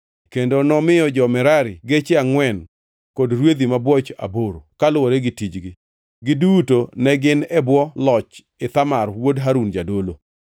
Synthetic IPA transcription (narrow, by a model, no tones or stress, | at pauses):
kendonɔmɪjɔd͡ʒɔmɛɾaɾɪɡet͡ʃɪaŋwɛn | kɔdɾwed̪imabwɔt͡ʃa̰boɾo̰kalwoɾeɡɪtid͡ʒɡɪ | ɡɪdutonɛɡɪnɛbwɔlɔt͡ʃ | ɪt̪amarwodɦaɾund͡ʒadolo